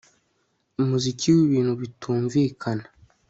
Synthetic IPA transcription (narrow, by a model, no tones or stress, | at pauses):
umuzikʰiwiβiːn̥huβitʰuːɱviːkʰana